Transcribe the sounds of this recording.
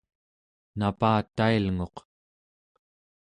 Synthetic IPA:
napaːt̪ːailŋo̞q

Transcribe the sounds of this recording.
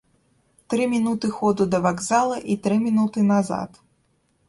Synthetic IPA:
t̪ɾɨmʲinut̪ɨxɔd̪ud̪ɐvaɡzalˠɐʔit̪ɾɨmʲinut̪ɨnaza̰t̪

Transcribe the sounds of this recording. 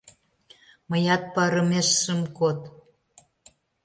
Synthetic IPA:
mə̆jɑt̪̚pɑɾə̆meʃːəmkot̪

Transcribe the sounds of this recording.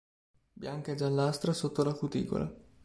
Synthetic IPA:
bjaŋked͡ʒalːast̪ɾasot̪ːolakut̪ḭːɡo̰la̰

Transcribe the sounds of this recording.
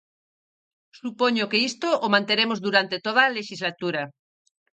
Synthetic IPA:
supoɲokeist̪oʔomãnt̪eɾemozðuɾant̪et̪oð̞aleʃizlat̪uɾa

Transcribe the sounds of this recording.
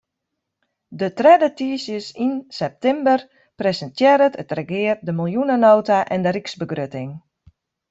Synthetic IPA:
dətrɛdətiəsjəsinsɛp̚tɪmbər | presəntjɛɾətʰətrəɡɪːərdəmilˠjunənoːtaʔɛndəɾiksbəɡrøtɪŋ

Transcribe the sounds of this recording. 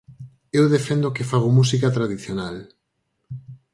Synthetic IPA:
ewðefend̪okɪfaɣ̞omusikat̪ɾaðiθjonal

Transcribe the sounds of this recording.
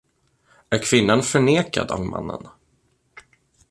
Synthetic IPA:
æɾkʰvɪnːanfœɳeːka̰d̪ɑvmʔa̰nːə̰n

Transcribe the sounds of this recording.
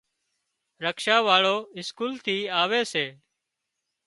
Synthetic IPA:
ɾəkʃaːʋaːɭoːɪskuːlt̪ʰiːaːʋeːseː

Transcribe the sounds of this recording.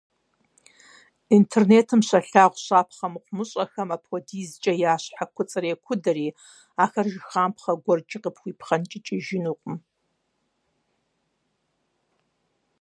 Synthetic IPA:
intʰerneːtʰɨmɕɐɬaːʁʷɕaːpʰχɐmqʷʊmɨɕʼɐxɐmapʰɔdiːzt͡ʃʼɐjaːɕħakʷʰʊt͡sʼɨɾeːkʷʰʊdɐɾiː | aːxɐrʒɪxaːmpχɐɡʷɔrt͡ʃʼɪqəpʰxʷiːpʰχɐnt͡ʃʼɪt͡ʃʼɪʒɪnuːqʷʼʊm

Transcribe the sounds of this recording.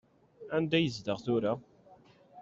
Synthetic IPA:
ænd̪æjəzd̪əʁθʊɾa

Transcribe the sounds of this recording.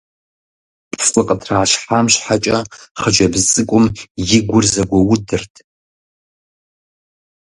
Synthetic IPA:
pʰsʼɨqʼətʰraːʃħamɕħat͡ʃʼɐχəd͡ʒɐbzt͡sʼɨkʷʼʊmjɪɡʷʊrzɐɡʷɐwʊdɨrtʰ

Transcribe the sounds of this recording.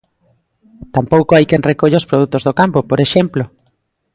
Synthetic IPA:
t̪ampowkoajkenrekoʎeospɾoðut̪ozðokampopoɾeʃemplo

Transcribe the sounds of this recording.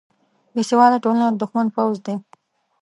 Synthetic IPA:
jesewɑld̪aʈolanad̪ʊxmanpawzd̪e

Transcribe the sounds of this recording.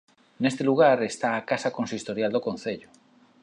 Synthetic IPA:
nest̪eluɣ̞aɾest̪aːkasakõnsist̪oɾjald̪okon̟θeʎo

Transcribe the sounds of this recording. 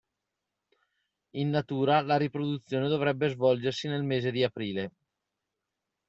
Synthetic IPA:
inːat̪uːɾalaɾipɾod̪ut̪sːjoːned̪ovɾɛbːezvɔld͡ʒersinelmeːzed̪iapɾiːle

